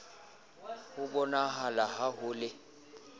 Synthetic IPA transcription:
hʊbɔnaɦalahaɦʊlɪ

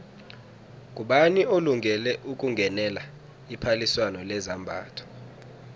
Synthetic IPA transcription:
k̬ʼuɓanioluŋɡʱɛlɛʔuk̬ʼuŋɡʱɛnɛla | ipʰaliswanɔlɛzambʱa̰ːtʰɔ̥

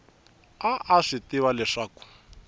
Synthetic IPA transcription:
aʔaʂitiwalɛʂaːku̥

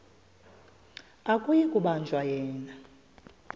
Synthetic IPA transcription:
akʼujikʼuɓand͡ʒʱwajɛːna

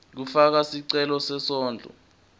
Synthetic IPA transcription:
k̬ufak̬asiǀɛlɔsɛsɔːnd͡ɮʱɔ̰

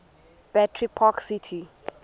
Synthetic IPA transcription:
b̥ɛtʰɹipʰɔksitʰi

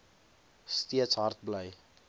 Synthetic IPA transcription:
stiətsɦɐrt̚bləj

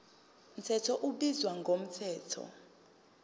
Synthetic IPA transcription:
m̩tʰɛtʰɔʔuɓizwaŋɡʱom̩tʰɛːtʰɔ̰

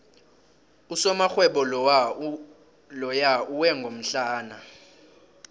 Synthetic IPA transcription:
usɔmaxwɛɓɔ | lɔjauwɛŋɡʱom̩ɬaːna

